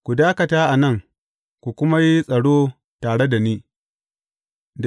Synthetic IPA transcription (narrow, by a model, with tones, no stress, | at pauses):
kʷu˨daː˦kɐ˨taː˦ʔa˨nɐ˦˨ŋ | kʷu˨kʷʊ˦ma˦ji˦sʼɐ˨ɽoː˦ | taː˨ɽe˦da˨niː˦ | d